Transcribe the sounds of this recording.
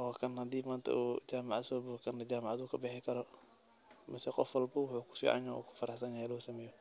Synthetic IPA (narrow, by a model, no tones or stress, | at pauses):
ɔːkʰɐnhɐd̪iːmaːnt̪ʰɐ̰ʔuːd͡ʒaːmaʕasɔːbʊkʰɐnɐd͡ʒaːmaʕad̪uːkʰɐbɪħɪkʰɐɾɔ | mɛsɛqɔfwɐlbɐwʊħuːkʰʊ̥fḭːʕa̰naṵːkʰʊ̥fɐɾɑħsɐnjɐhɛlɔːsɐmɛːjɔ